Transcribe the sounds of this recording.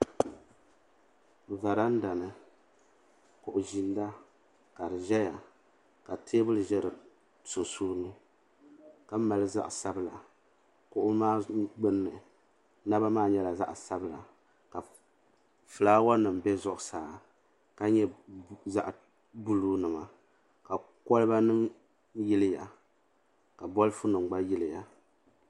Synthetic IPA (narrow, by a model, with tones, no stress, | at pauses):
va˨ɾa˦n̩˦da˨nɨ˨ | kʊ˨ʔʊ˨ʒi˨nda˦ | ka˨ɾɨ˨ʒɛ˦ja˨ | ka˨tʰeː˦bɨ˦lɨ˨ʒɛ˦ɾɨ˨ | sʊ˨nsuː˦nɨ˦ | ka˨˦ma˨lɨ˦za̰˦ʔsa˦bla˨ | kʊ˨ʔʊ˦maː˦ɡ͡bɨ˦nːɨ˨ | na˦ba˦maː˦˨ɲɛ˦la˨za˦ʔsa˦bla̰˨ | ka˨ | fɨ˨laː˦wa˦nɨ˨mbɛ˦zʊ˦ʔʊ˨saː˨ | ka˦ɲɛ˦za̰˦ʔ | bu˦lu˦nɨ˨ma˨ | ka˨ | kɔ˦lɨ˦ba˦nɨ˦m | jɪ˦lɪ˦ja˨ | ka˨bɔ˦lɨ˦fu˦nɨ˨mɡ͡ba˦jɪ˦lɪ˨ja˨